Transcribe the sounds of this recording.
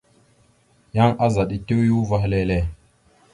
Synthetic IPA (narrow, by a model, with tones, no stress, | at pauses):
ja˦ŋʔa˦za˨ɗi˨te˦wju˦va˦ɦle˦le˦˨